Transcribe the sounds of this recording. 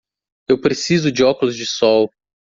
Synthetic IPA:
ewpɾesizʊd͡ʒɪɔkʊlʊzd͡ʒɪsɔw

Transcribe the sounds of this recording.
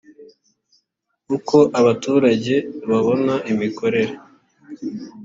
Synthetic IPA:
kuko̞ʔaβatuːɾaɟe̞βaβo̞naʔimikʰo̞ɾe̞ɾe

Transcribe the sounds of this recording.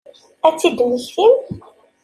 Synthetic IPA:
æt͡sːid̪wəçθim

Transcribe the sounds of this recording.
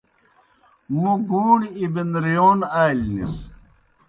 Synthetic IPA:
muɡuːɳibinɾijoːnaːlnḭs

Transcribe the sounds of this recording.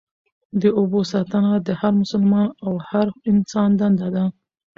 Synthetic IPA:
d̪əobosɑt̪ənad̪əhaɾmʊsəlmɑnawhaɾɪnsɑnd̪and̪ad̪a

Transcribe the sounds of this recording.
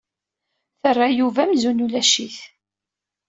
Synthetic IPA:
θərˤːajuvæmzunulæʃiθ

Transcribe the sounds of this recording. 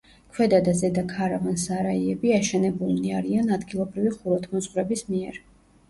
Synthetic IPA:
kʰwɛd̪ad̪azɛd̪akʰaɾavansaɾaiɛbiaʃɛnɛbulˠmniaɾianad̪ɡilˠɔbɾiviχuɾɔt̪ʰmɔsʼqʼɾɛbismiɛɾ

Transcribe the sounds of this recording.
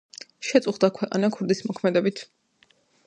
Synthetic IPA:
ʃɛt̪sʼuχd̪akʰwɛqʼa̰nakʰuɾd̪ismɔkʰmɛd̪ɛbit̪ʰ

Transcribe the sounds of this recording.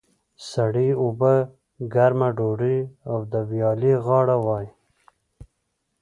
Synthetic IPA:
saɽiuba | ɡaɾmaɖoɽiawd̪əwjɑːliɣɑːɽawɑːj

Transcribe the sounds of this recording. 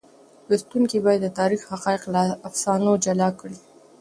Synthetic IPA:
wust̪uŋkibɑjad̪ːət̪ɑɾixhaqɑɪqlaːfsɑnod͡ʒalɑkəɽi

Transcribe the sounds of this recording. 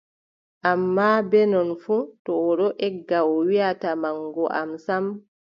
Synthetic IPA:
ʔamːabɛnɔnfutɔːɗɔʔɛɡːaɔwiatamaŋɡɔʔa̰msam

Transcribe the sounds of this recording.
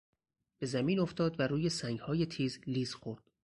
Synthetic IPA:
b̥e̞zæmiːnoft̪ʰɒːd̪væɾuːje̞sæŋɡhɒːjet̪ʰiːzliːzxoɾd̪̥

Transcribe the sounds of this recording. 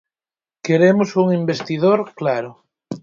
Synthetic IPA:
keɾemosuŋimbest̪iðoɾklaɾo

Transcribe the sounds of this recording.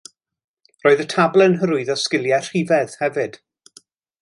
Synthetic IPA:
roːɨðətʰablˠɛnɦəɾʊɨðɔskɪljɛr̥ivɛð̥hɛvɨd̥

